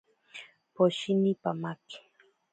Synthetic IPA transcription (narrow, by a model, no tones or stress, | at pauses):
poʃinipamakɪ̥